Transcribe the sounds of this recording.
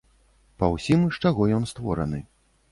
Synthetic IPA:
pɐwsʲimʂt͡ʂaɣɔjɔnst̪vɔɾɐ̰nɨ

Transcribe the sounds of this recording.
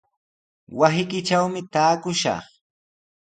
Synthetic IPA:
wasɪkɪt͡ʃawmɪt̪aːkʊʃɑ̰χ

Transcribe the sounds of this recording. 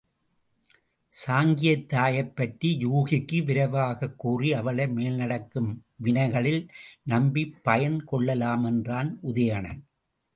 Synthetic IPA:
saːŋɡɪjɐt̪ːaːjɐɪpːɐʈɾijuːɣɪkːɯʋɪɾɐʋaːɣɐkːuːriɐʋɐɭɐɪmeːlnɐɽɐkːɯmʋɪnɐɪɣɐɭɪlnɐmbipːɐjɐnkɔɭːɐlaːmɛndraːnʔʊðɐjɐɳɐ̰n

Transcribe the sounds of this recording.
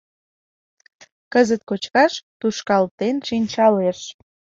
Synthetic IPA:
kəzət̪̚kot͡ɕkɑʃt̪uʃkɑlt̪enʃinʲt͡ɕɑleʃ

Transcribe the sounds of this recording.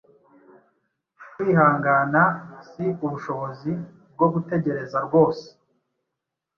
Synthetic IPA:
kwiːhaːŋɡanasiuβuʃo̞βo̞zi | b̚ɡo̞ɡute̞ɟe̞ɾe̞zaɾɡo̞ːse̥

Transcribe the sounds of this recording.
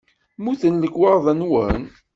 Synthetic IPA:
muθənləkːwɑɾˤðˤænwən

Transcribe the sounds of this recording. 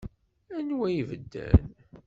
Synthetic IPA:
ænwæjivəd̪ːæ̰n

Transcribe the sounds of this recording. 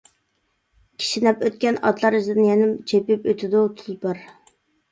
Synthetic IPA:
kʲʰi̥ʃinɛpøt̪kʲɛnɑ̰t̪lˠɑɾizd̪ɪnjɛnɪmt͡ʃʰepypøt̪ʰɪd̪ut̪ʰʊlˠpɨɾ

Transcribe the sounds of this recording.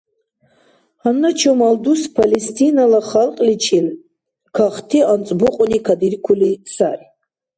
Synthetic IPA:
hanːat͡ʃʰomald̪uspʰalest̪ʰinalaχalqʼlit͡ʃʰil | kʰaχt̪ʰiant͡sʼbuqʼʊnikʰad̪irkʷʰulisa̰ri

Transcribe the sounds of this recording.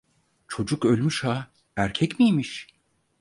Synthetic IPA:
t͡ʃʰo̞d͡ʒukø̞lʲmyʃha | æɾcʰɛcmijmiʃ

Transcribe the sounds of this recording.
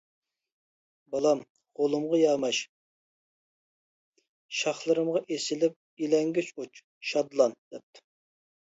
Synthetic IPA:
bɑlˠɑm | ʁolˠɨmʁɑjɑːmɑʃ | ʃɑχlˠɨɾɨmʁɑʔesɪlɪp̚ilɛŋɡʲyt͡ʃut͡ʃ | ʃɑd̪lˠɑnd̪̥ɛp̚t̪ʰɪ̥

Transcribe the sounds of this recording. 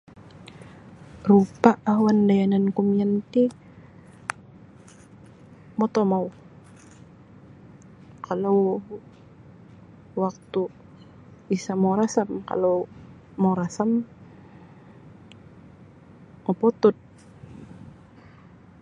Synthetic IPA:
rupaʔawandajanankumiant̪i | mɔt̪omaw | kʰalaw | wak̚t̪u | isamoɾasamka̰low | moɾasam | mopɔt̪ʊt̪̚

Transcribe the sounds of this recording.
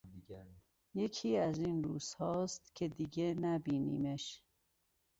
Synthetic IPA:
jekʰiːæzinɾuːz̥hɒːst̪kʰed̪iɡenæbiːnḭːmeʃ

